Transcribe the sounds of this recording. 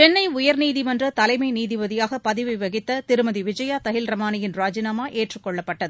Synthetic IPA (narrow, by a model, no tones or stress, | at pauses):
t͡ʃɛnːɐɪʊjɐɾniːðɪmɐndrɐt̪ɐlɐɪmɐɪniːðɪʋɐðɪjaːɣɐpɐðɪʋɪʋɐɣɪt̪ːɐt̪ɪɾɯmɐðiʋɪd͡ʒɐjaːt̪ɐɣɪlɾɐmaːnɪjɪnɾaːd͡ʒɪnaːmaːʔeːʈrɯkːɔɭːɐpːɐʈːɐðɯ